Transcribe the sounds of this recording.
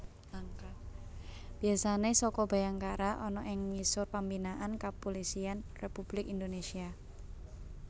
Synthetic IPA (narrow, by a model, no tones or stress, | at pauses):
laŋka | b̥i̤asanesɔkɔb̥a̤jaŋkaɾaʔɔnɔʔɪŋmisʊrpambinaʔankapolisianrepub̥lɪkind̪onesia